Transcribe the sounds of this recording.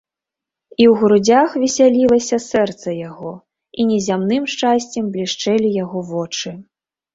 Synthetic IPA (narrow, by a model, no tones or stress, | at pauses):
iwɣɾud͡zʲaxvʲɛsʲalʲilˠɐsʲɐsɛrt̪sɐjaɣɔ | inʲɛzʲamnɨmʂt͡ʂasʲt͡sʲɐmblʲiʂt͡ʂɛlʲijaɣɔvɔt͡ʂɨ